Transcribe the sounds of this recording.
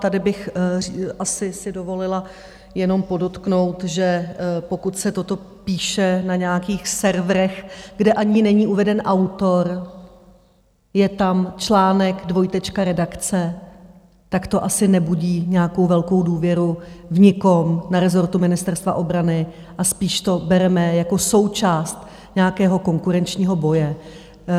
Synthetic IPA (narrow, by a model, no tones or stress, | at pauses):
t̪adɪbɪx | ʔasɪsɪdovo̞lɪla | jɛno̞mpo̞do̞t̪kno̞wt̪ʒɛpo̞kut̪sɛt̪o̞t̪o̞ | piːʃɛnaɲɛakiːxsɛɾvɾɛxɡdɛʔaɲɪnɛɲiːʔuvɛdɛnʔawt̪o̞ɾ | jɛt̪amt͡ʃlaːnɛɡdvo̞jt̪ɛt͡ʃkaɾɛdakt͡sɛ | t̪akt̪o̞ʔasɪnɛbuɟiːɲɛjako̞wvɛlko̞wduːvjɛɾuvɲɪkomnaɾɛzo̞ɾt̪umɪnɪst̪ɛɾst̪vaʔo̞bɾanɪ | ʔaspiːʃt̪o̞bɛɾɛmɛjakoso̞wt͡ʃaːst̪ | ɲɛjakɛːɦo̞ko̞ŋkuɾɛnt͡ʃɲiːɦo̞bo̞jɛ